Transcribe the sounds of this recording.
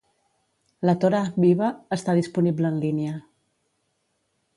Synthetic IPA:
lət̪oɾabiβəːst̪aðispunibləːnliniə

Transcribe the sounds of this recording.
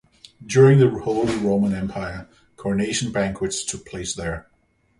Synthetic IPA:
djʊɹɪ̃ŋðəhoʊlˠiɹõʊmə̃nɛ̃mpʰaɪə˞ | kʰɔɹneɪʃə̃nbæ̃ŋkʰwɨtstʰʊk̚pʰl̥eɪsðə˞

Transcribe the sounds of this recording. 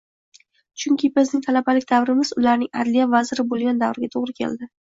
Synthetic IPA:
t͡ʃʰʊŋkʲʰɪbɪznɪŋt̪ʰalabalɪk̚ʲd̪avɾɪmɪzʊlaɾnɪŋa̰d̪lijavazɪɾɪbolˠɡʲand̪avɾɪɡʲat̪ʰoʁɾɪkʲʰe̞̰ld̪ɪ

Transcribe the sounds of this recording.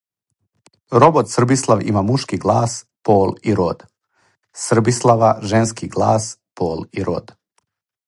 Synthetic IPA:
ɾobot̪sr̩bislˠaʋḭmamuʃkiɡlˠaːs | poːliɾo̰d̪ | sr̩bislˠaʋaʒenskiɡlˠaːspoːliɾo̰d̪

